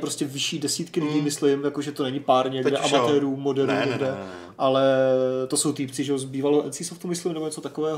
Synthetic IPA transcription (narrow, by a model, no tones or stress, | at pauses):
pɾoscɛvɪʃiːdɛsiːt̪kɪlɪɟiːmɪslɪmjakoʒɛt̪o̞nɛɲɪpaːɾɲɛɡdɛʔamat̪ɛːɾuːmo̞dɛɾuːɲɲɛɡdɛ | ʔalɛt̪o̞sowt̪iːpt͡sɪʒɛozbiːvalɛwʔɛnsisoft̪umɪslɪmnɛbo̞ɲɛt͡so̞t̪akovɛːɦo